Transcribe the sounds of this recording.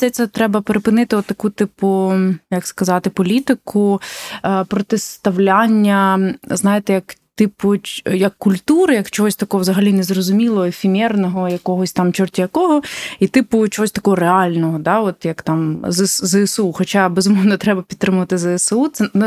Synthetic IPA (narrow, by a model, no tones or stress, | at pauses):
sɛt̪sɛt̪ɾɛbɐpeɾɪpɪnɪt̪ɪɔt̪ːɐkut̪ɪpʊjɐkskɐzɑt̪ɪpɔlʲit̪ɪkʊ | pɾɔt̪ɪst̪ɐwlʲanʲːɐznɑjɪt̪ɛjɐkt̪ɪpʊjɐkːʊlʲt̪uɾɪjɐkt͡ʃɔɦɔsʲt̪ɐkɔɦɔwzɐɦɐlʲinɛzrɔzʊmʲilˠɔɔefʲimʲɛrnɔɦɔjɐkɔɦɔsʲt̪ɑmt͡ʃɔrt̪ʲijɐkɔɦɔit̪ɪpʊt͡ʃɔɦɔsʲt̪ɐkɔɦɔreɑlʲnɔɦɔd̪ɑɔt̪jɐkt̪ɑmzszɛɛsuxɔt͡ʃabezʊmɔwnɐt̪ɾɛbɐpʲd̪t̪ːɾɪmʊʋɐt̪ɪzɛɛsut̪sɛn